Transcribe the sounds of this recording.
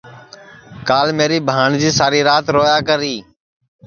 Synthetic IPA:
kaːlmeːɾiːbʱaːɳd͡ʒiːsaːɾiːɾaːt̪ɾoːjaːkəɾiː

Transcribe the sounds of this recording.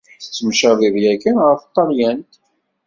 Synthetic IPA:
t͡sːəmʃæðiðjækənʁəft̪ˤːɑɾjænt̪

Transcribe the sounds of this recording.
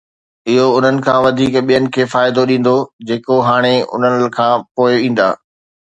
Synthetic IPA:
ɪɦoʊn̤ənɪ̆kʰãːʋɐd̪ʱiːkɓijənɪ̆kʰeːfaːɪd̪oɗĩːn̆d̪od͡ʑeːkoɦaːɽ̃eʊ̰n̤ənɪkʰãːpoːɪĩːn̆d̪a̰ː

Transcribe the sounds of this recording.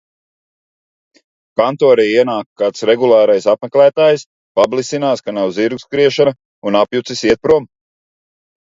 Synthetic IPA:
kant̪ɔːɾijiɛnaːkːaːt̪sɾeɡulˠaːɾajsapmɛklæːt̪aːjs | pablˠisinaːskanawziɾɡu̥skɾiɛʃana | unapjut̪sisiɛt̪̚pɾuɔm

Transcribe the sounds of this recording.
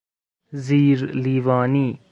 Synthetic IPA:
ziːɾliːʋaːniː

